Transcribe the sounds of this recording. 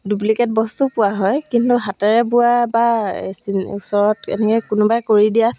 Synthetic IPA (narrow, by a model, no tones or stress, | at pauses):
duplikɛt̚bɔstupʊaɦɔjkintuɦatɛɹɛbʊabasinṵsɔɹɔtɛ̰nɛkɔjkʊnʊbajkoɹidija